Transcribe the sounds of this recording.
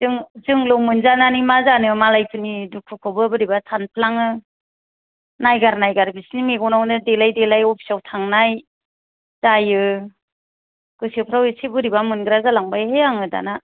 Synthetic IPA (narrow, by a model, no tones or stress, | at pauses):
zɯŋzɯŋlɔmɯnzananimazanɯmalajpʰɯnidukʰːɯkʰɯbɯbɯɾibasʰanpʰlaŋɯ | najɡaɾnajɡaɾbisnimeɡɔnawnɯdelajdelajɔpʰi̥sawtʰaŋnaj | z̥ajɯ | ɡ̥ɯsiepʰɾawesebɯɾibamɯnɡɾazalaŋbajɦeaŋɯda̰na